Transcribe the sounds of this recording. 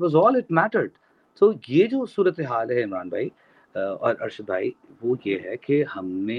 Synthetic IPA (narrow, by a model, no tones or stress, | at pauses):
ʋɔzɔːlɪʈmæʈəɾɖ | soːjed͡ʒoːsuːɾət̪eɦaːlɦɛɪmɾaːnbʱa̰ːi | ɔːɾʔɐ̰ɾʃəd̪̚bʱaːi | ʋojeɦɛkehɐmːẽ